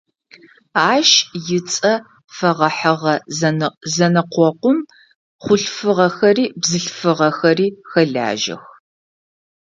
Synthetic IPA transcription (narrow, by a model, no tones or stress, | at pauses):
aːʃjɪt͡sʼɐ | fɐʁɐħəʁɐ | zɐnɨqʷɔqʷʊm | χʷʊɬfɨʁɐxɐriːbzɨɬfɨʁɐxɐriːxɐɮa̰ːʒɐ̰x